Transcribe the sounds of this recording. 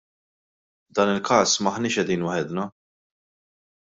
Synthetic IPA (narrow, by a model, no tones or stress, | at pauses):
vd̪ɐːnɪlkɐːsmɐħnɪːʃɛd̪iːnwɐħɛd̪nɐ